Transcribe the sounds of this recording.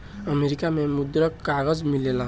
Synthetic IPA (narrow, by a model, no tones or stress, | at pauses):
ʌmeɾikamemud̪ɾʌkːaɡʌd͡zmilela